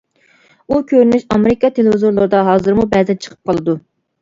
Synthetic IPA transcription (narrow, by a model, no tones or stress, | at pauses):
ukʲʰøɾnyʃɑmeɾɪkɑt̪ʰelɪvɪzoɾlˠoɾd̪ɑɦɑːzɨɾmubɛzɛnt͡ʃʰə̥qʰə̥p̚qʰɑlˠɨd̪u